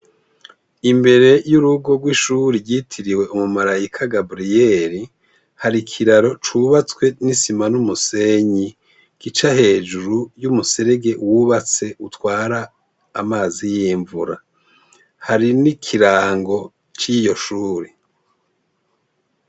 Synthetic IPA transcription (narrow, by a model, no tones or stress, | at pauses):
imbe̞ɾe̞juɾuɡo̞ɡwiʃuɾiɾɟiːtʰiɾiwe̞ʔumumaɾajikʰaɡabɾijeɾi | haɾikʰiɾaɾo̞t͡ʃuβat͡skwe̞nisimanumuse̞ɲi | ɡ̥it͡ʃahe̞ːd͡ʒuɾujumuse̞ɾeɡe̞wuβat͡se̞ʔutwaːɾaː | maːzijiːɱvuɾa | haɾinikʰiɾaːŋɡo̞ | t͡ʃijo̞ʃuːɾi